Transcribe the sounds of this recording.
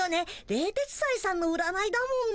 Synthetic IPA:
ane̞ɾe̞ːt̪e̞t͡si̥saisãnːo̞ɯ̟ɾanaid̪amõː

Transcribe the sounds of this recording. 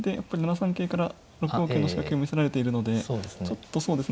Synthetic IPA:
d̪e̞ja̰pːaɾʲinanasãŋke̞ːkaɾa | ɾo̞kɯo̞ːkenːoɕi̥kakɯiomʲiseɾaɾe̞t̪e̞iɾɯ̟no̞d̪e̞t͡ɕo̞t̪ːo̞so̞ːd̪e̞sɨ

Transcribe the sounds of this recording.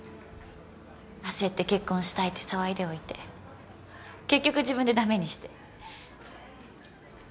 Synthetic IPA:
ase̞t̪ːe̞ke̞kːõ̞ɰ̃ɕi̥t̪ait̪ːe̞̥saβaid̪e̞o̞it̪e̞ | ke̞kʲːo̞kɯ̟ʑibɯ̃nd̪e̞d̪ame̞ɲ̟iɕi̥t̪e̞̥

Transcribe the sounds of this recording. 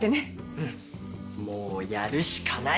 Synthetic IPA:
t̪ene | ɯ̟̃ɴ | moːjaɾɯ̟ɕi̥kʰana

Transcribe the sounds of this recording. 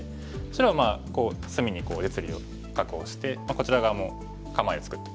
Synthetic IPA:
t͡ɕiɾomaːko̞ːsɨmʲiɲ̟iko̞ːdet͡sɨɾʲio̞̰ | kakɯoːɕi̥t̪e̞mako̞t͡ɕiɾaɡamo | kamaiot͡sɨ̥kɯ̟t̪ːe̥

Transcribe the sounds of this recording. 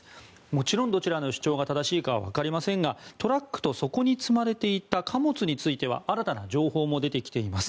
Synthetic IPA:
mo̞t͡ɕiɾõ̞nd̪o̞t͡ɕiɾano̞ɕi̥t͡ɕo̞ːɡat̪ad̪aɕiːkaβa̰βa̰kaɾʲimasẽ̞ŋɡat̪o̞ɾakːɯ̥t̪o̞so̞ko̞ɲ̟it͡sɨmaɾe̞t̪e̞it̪akʰamo̞t͡sɨɲ̟it͡sɨit̪e̞βa̰aɾat̪anad͡ʑo̞ːho̞ːmo̞d̪e̞t̪e̞kʲi̥e̞imasɨ̥

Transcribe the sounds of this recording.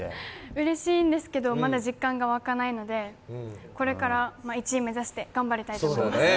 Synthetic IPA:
ɯ̟ɾe̞ɕiːnd̪e̞sɨ̥ke̞d̪o̞mad̪aʑikːãŋɡaβakanaino̞d̪e̞ko̞ɾe̞kaɾamait͡ɕiːme̞zaɕi̥t̪e̞ɡ̥ãmbaɾʲit̪ait̪o

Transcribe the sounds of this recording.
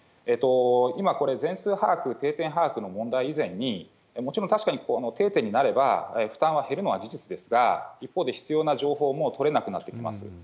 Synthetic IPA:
et̪o̞imako̞ɾe̞d͡zẽ̞ɰ̃sɨːhaːkɯ̟t̪e̞ːt̪ẽ̞ɰ̃ɦaːkɯ̟no̞mõ̞nd̪aiːzẽ̞ɲ̟ːi | mo̞t͡ɕiɾõnt̪aɕi̥kaɲ̟ikonot̪e̞ːt̪ẽ̞ɲ̟inaɾe̞ba̰eɸɯ̟̥t̪ãɰ̃βahe̞ɾɯ̟no̞ad͡ʑiʑit͡sɨd̪e̞sɨɡa̰ipːoːd̪e̞çi̥t͡sɨjo̞ːnaʑo̞ːɦo̞ːmo̞t̪ʰo̞ɾe̞nakɯ̟nat̪ːe̞kʲima̰sɨ̰

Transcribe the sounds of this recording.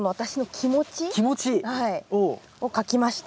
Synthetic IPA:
noβat̪aɕino̞kʲʰimo̞t͡ɕikʲimot͡ɕihaio | o̞kakʲimaɕi̥t̪

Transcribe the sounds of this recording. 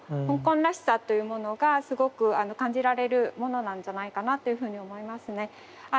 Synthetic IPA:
hõŋkõ̞nɾaɕi̥sat̪ːo̞jɯ̟mo̞no̞ɡasɨɡo̞kɯ̟ano̞kãɲ̟d͡ʑiɾaɾe̞ɾɯ̟mo̞no̞nãɲ̟d͡ʑanaikanat̪ːo̞jɯ̟ɸɯ̟ːɲ̟io̞mo̞imasɨne̞ | a

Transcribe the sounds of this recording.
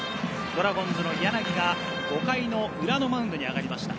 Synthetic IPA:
d̪̥o̞ɾaɡõ̞nd͡zɨno̞ijanaɡʲiɡa | ɡ̥o̞kaino̞ɯ̟ɾano̞maɯ̟nd̪o̞ɲ̟iaɡaɾʲimaɕi̥t̪a̰

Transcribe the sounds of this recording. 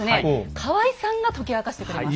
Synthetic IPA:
ɨnekʰaβaisãŋɡat̪o̞kʲiakaɕi̥t̪e̞kɯ̟ɾem

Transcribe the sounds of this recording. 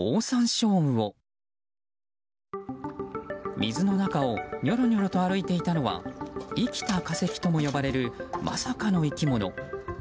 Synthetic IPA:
oːsãɰ̃ɕo̞ːɯ̟̃o̞ | mʲizɨno̞nakao̞ɲʲo̞ɾo̞ɲʲo̞ɾo̞t̪o̞aɾɯ̟it̪e̞it̪ano̞βa̰ikʲi̥t̪akase̞kʲi̥t̪o̞mo̞jo̞baɾe̞ɾɯ̟mʔa̰sakano̞ikʲimo̞no̞̰

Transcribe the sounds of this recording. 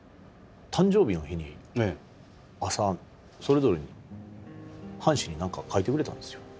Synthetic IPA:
t̪ʰãɲ̟d͡ʑo̞ːbʲino̞çiɲ̟i | asa | so̞ɾe̞zo̞ɾe̞ɲ̟i | hãɰ̃ɕiɲ̟inãŋkakʰait̪ekɯ̟ɾe̞t̪ã̰nd̪esɨjo

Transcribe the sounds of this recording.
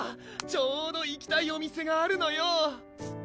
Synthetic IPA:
t͡ɕoːd̪o̞ikʲi̥t̪aio̞mʲise̞ɡaːɾɯ̟no̞jo

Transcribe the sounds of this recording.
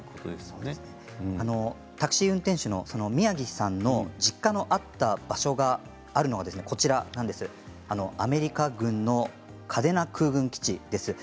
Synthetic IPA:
od̪sɨne | ano̞ | t̪akɯ̟̥ɕiːɯ̟̃nt̪ẽ̞ɰ̃ɕɨno̞so̞no̞mʲiaɡʲisãnːo̞d͡ʑikːano̞ʔat̪ːab̥aɕo̞ɡaː | ɾɯ̟noɡad̪sɨne̞ko̞t͡ɕiɾanãnd̪e̞sɨ | ano̞ame̞ɾʲikaɡɯ̟̃nnːo̞ | kʰad̪e̞nakʰɯ̟ːɡɯ̟̃ŋkʲi̥t͡ɕid̪̥e̞sɨ

